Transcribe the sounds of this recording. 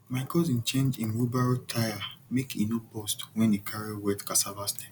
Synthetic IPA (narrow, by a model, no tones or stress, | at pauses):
maɪkɔzĩn̩t͡ʃẽnd͡ʒĩnɹubaɹitʰajamekinobɔstwɛ̃nekʰaɾiwɛtkasabaste̥